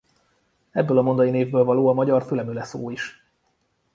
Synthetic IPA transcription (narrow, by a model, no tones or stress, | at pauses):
ɛbːøːlɒmo̞nd̪ɒjineːvbøːlvɒloːɒmɒɟɒrfylɛmylɛsoːiʃ